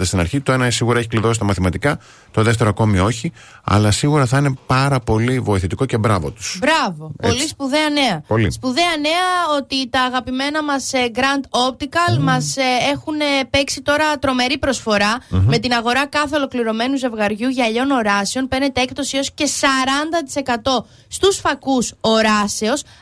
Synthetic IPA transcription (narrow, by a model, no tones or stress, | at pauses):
ðest̪inɐɾçit̪o̞e̞nɐesiɣuɾɐeçikliðo̞sit̪ɐmɐθimɐt̪ikɐ | t̪o̞ðe̞ft̪e̞ɾoɐko̞mio̞çi | ɐ̰lɐsiɣuɾɐθɐine̞pɐɾɐpo̞livo̞iθit̪iko̞ce̞bɾɐvot̪u̥sbɾɐvo̞plispuðe̞ɐne̞ɐpolispuðe̞ɐne̞ɐo̞t̪it̪ɐːɣɐpime̞nɐmɐsɡɾɐnt̪o̞p̚t̪ikɐlmɐse̞xunepe̞ksit̪o̞ɾɐt̪ɾo̞me̞ɾipɾo̞sfo̞ɾɐme̞t̪inɐɣo̞ɾɐkɐθe̞o̞lo̞kliɾo̞me̞nuze̞vɣɐɾʝuʝɐʎo̞no̞ɾɐsio̞npe̞ɾne̞t̪eekt̪o̞sio̞sce̞sɐɾɐnd̪ɐt̪i̥se̞kɐt̪o̞ | st̪usfɐkuso̞ɾɐse̞os